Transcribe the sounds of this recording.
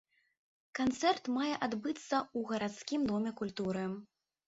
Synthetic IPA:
kant̪sɛrt̪majɛʔad̪bɨt̪sːɐuɣɐɾat̪skʲimd̪ɔmʲɛkulʲt̪uɾɨ

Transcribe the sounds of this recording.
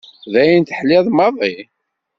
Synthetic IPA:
ðæjənt̪əħlɪðˤmɑðˤi

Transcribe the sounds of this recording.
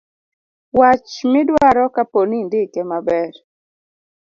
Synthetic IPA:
wat͡ʃmɪdwaɾɔkaponindɪkɛmabɛr

